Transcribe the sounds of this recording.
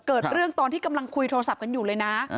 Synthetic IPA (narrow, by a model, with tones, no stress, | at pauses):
kɤː˨˩t̪̚ɾɯ˥˩əŋt̪ɔː˧nt̪iː˥˩ka˧mla˧ŋkʰu˧jt̪ʰoː˧sa˨˩p̚ka˧njuː˨˩ɤː˧jna˦˥